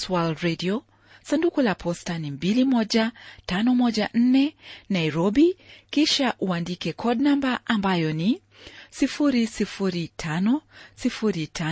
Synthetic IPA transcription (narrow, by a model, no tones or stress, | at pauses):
swalɾɛdiɔ | sandukulapʰɔstanimbilimɔʄatanɔmɔʄan̩nɛnaiɾɔbikiʃaʔuandikɛkʰɔdnambaʔambajɔni | sifuɾisifuɾitʰanɔsifuɾitʰa